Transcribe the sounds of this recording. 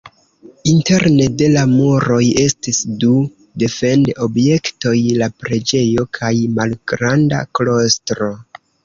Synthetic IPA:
inte̞ɾne̞de̞lamoɾo̞je̞stisdu | de̞fe̞ndo̞bje̞kto̞jlapɾe̞d͡ʒe̞jo̞kʰajmalɡ̥ɾanda̰klo̞stɾo̞

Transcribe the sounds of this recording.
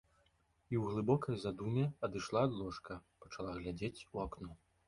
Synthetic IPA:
iwɣlˠɨbɔkɐjzad̪umʲɛɐd̪ɨʂlˠaːd̪lˠɔʂkʰɐpɐt͡ʂalˠaɣlʲad͡zʲet͡sʲuaknɔ

